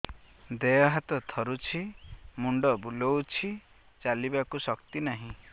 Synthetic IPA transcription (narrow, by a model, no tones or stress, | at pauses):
d̪ejɔɦat̪ɔt̪ʰɔɾut͡ʃʰimuɳɖɔbulɔwt͡ʃʰi | t͡ʃalibakusɔkt̪inaɦĩ